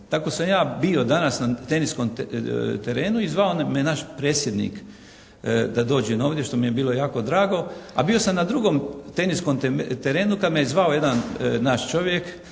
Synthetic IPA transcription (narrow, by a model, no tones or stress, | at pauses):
t̪ako̞samjaːbio̞d̪anasnat̪e̞niskomt̪eɾe̞ːnuizʋaonmenaʃpɾeːsjed̪nḭk | d̪ad̪o̞ːd͡ʒeno̞ːʋd̪ʲje̞ʃt̪o̞mije̞biːlo̞jaːko̞d̪ɾaːɡo̞a̰bio̞samnad̪ɾuɡomt̪e̞niskomt̪eɾe̞ːnukad̪mejezʋaoje̞d̪annaʃt͡ʃo̞ʋjek